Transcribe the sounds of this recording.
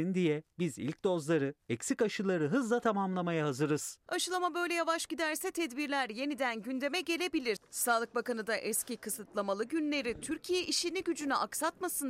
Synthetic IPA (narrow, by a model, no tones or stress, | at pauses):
ind̪ijɛbizḭlʲc̚d̪o̞zlˠaɾɯɛcsikaʃɯlˠaɾɯɦɯzlˠat̪ʰamamlˠamajaɦazɯɾɯz̥aʃɯlˠamabø̞jlʲɛjavaʃɟid̪æɾsɛt̪ʰɛd̪biɾlʲæɾje̞nid̪ænɟynd̪e̞mɛɟe̞lʲe̞bilʲiɾsaːlˠɯk̚bakanɯd̪aʔɛscikʰɯsɯt̪lˠamalˠɯɟynlʲe̞ɾit̪ʰyɾcʰijɛʔiʃiniɟyd͡ʒynyʔaksat̪masɯn